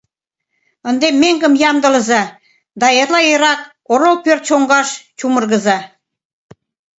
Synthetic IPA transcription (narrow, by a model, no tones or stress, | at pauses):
ə̆nd̪emːeŋɡə̆mjɑmd̪ə̆lə̆zɑ | d̪ɑerlɑiɾɑk̚ | oɾolpørt̪ʃoŋɡɑʃt͡ɕumə̆rɣə̆zɑ